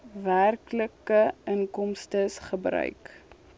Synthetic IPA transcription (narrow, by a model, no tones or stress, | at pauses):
værkləkəəŋkɔmstəsχəbrœ̰ɥk